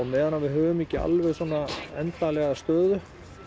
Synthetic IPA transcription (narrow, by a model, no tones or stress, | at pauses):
ɔmɛːðanːavɪɦœːvʏmicɪa̰lvɛɣsɔːnːaɛnt̪alɛɣast̪œːðʏ